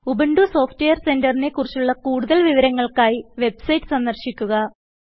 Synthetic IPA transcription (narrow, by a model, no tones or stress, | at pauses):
ubeɳɖuso̞ːftejɐrse̞ndɐrine̞kːurit͡ɕːuɭːɐkuːɽuðɐlʋiʋɐɾɐŋːɐɭkaːjiʋe̞bsɐjtːɨ̥sɐnd̪ɐrɕikʲːuɣɐ